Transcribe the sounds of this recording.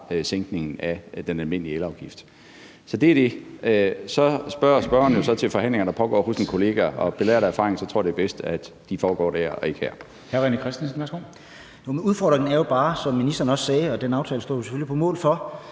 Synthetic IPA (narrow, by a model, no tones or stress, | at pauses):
seŋɡ̥ne̝ŋn̩æd̥enælme̝n̰liəelɑ̈ʊɡ̥ifd̥ | sɒ̽d̥e̝æɐd̥e̝ | sɒ̽sb̥ɶɐsb̥ɶɐnjo̝sɒ̽t͡sʰelfɒ̽hæn̰le̝ŋɐnd̥ɑ̈pʰɒ̽ɡ̥ɒ̰ːhosinkʰo̝le̝ːɡ̥æɒ̽b̥e̝lɛ̰ːɐɾ̥ææɐfɑ̈ʁeŋnsɒ̽t͡sʰo̝ɐ̰d̥eb̥esd̥æd̥ːifɒːɡ̥ɒ̰ːd̥æɐ̰ɒe̝ɡ̥hæɐ̰ | hæɐʁɛnəkʰʁɛsd̥ensn̩ʋæsɡ̥o̰ː | nomenuðˠfɒ̰ːd̥ʁeŋn̩æɐjo̝b̥ɑ̈ːsɒ̽mːinisd̥ɐːnɒ̽ssɛːɒ̽d̥enɑ̈ʊt͡sʰɛːləsd̥ɔ̰ːjo̝sefølipʰɒ̽mɔ̰̽ːlfɒ̽